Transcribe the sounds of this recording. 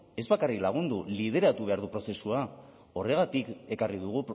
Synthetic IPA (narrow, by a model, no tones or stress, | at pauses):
e̞zβakariklaɣ̞und̪ulið̞e̞ɾat̪uβ̞e̞aɾðupɾo̞se̞sua | o̞re̞ɣ̞at̪ike̞kariðuɣ̞u